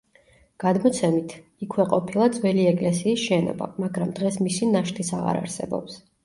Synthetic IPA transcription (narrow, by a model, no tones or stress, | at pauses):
ɡ̥ad̪mɔt̪sʰɛmit̪ʰikʰwɛqʼɔpʰilˠad̪zwɛliɛkʼlɛsiːsʃɛnɔ̰ba̰maɡɾamd̪̥ʁɛsmisinaʃt̪ʰisaʁa̰ɾa̰ɾsɛ̰bɔ̰ps